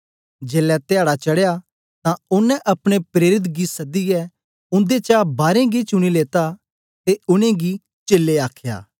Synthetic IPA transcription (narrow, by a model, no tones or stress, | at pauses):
d͡ʒeːlɛt̪eaːɽat͡ʃɐɽja | t̪ãʊnːɛ̃ʔɐpɽ̃epɾeːɾɪt̪̬ɡisɐd̪ijɛ | ʊ̃nd̪et͡ʃaːbaːɾẽɡit͡ʃʊɽ̃ileːt̪a | t̪eʊñẽɡi | t͡ʃeːlːeaːkʰja̰ː